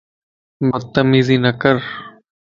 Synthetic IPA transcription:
bəd̪̚t̪ːəmiːziːnəkəɾ

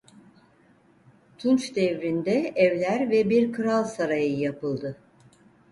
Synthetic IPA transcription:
t̪ʰunt͡ʃd̪ɛvɾind̪ɛɛvlʲæɾvɛbiɾkʰɯɾalˠsaɾajɯjapɯlˠd̪ɯ

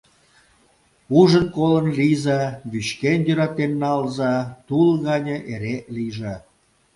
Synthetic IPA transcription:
uʒənkolənlijzɑβyɕkenjøɾɑt̪enːɑlzɑt̪ulɣɑnʲə̆ʔeɾeliʒɑ

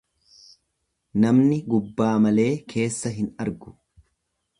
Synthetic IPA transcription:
nɐmnɪɡʊbːaːmɐle̞ːkʰe̞ːsːɐɦɪnɐɾɡʊ̥

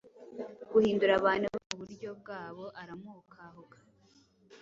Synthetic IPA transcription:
ɡ̥uhiːnduɾaβaːnuβomuβuɾɟo̞b̚ɡaːβo̞ʔaɾamuːkʰaɦoɡḁ

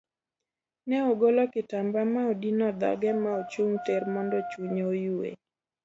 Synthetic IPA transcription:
nɛoɡolɔkɪtambamaodinɔd̪a̰ɡɛmaot͡ʃuŋtɛrmɔndɔt͡ʃuɲojuwḛ

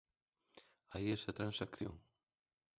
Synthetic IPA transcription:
aiest̪at̪ɾansakθjo̰ŋ

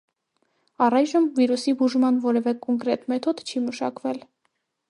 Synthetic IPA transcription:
ɑrɑjʒəmviɾusibuʒmɑnvɔɾɛvɛkɔŋkɾɛt̪mɛt̪ʰɔd̪t͡ʃʰiməʃɑ̰kvɛl

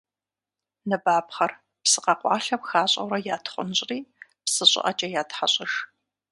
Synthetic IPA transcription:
nɨbaːpχɐr | psɨqɐqʷʼɑ̰ːɬɐpxaːɕʼɐ̰wɾɐjaːtʰχʷʊnɕʼriːpsɨɕʼɪ̰ʔɐt͡ʃʼɐjaːtħaɕʼɪʃ

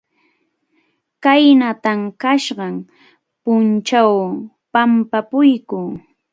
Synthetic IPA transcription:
kajnat̪amkaʃɢɑm | pʊnt͡ʃaw | pampapʊjkʊŋ

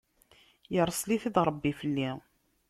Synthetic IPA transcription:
jəɾˤsliθid̪ɾˤəbːifəlːi

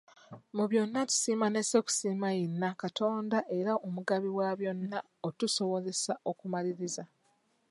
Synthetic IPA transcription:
muβjo̞nːatu̥siːmaneseku̥siːmajenːakato̞ːndaʔe̞ɾaomuɡaβiwaβjo̞nːa | otuso̞βo̞ze̞saʔo̞kumaliɾiza

